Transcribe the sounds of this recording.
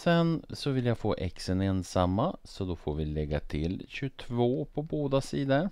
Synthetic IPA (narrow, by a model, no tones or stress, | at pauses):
sɛnsɔvɪljaɡfoːʔɛksəneːnsamːasɔd̪ɔfoːɾvɪlɛɡːat̪ʰɪ̰lɕɵt̪ʰvoːpʰɔboːd̪asiːd̪əɾ